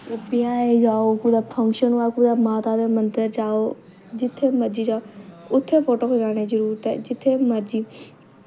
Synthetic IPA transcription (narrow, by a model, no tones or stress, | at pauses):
pɪjãːeːd͡ʒaːoːkuːd̪aːpʰə̃ŋkʃənaːkuːd̪aːmaːt̪aːd̪eːmənt̪əɾd͡ʒaːoː | d͡ʒɪt̪ʰːeːməɾd͡ʒiːd͡ʒaːoʊt̪ʰːeːpʰoːʈoːkʰeːd͡ʒaːneːd͡ʒəɾuːɾt̪ɛ̰ːd͡ʒɪt̪ʰːeːməɾd͡ʒiː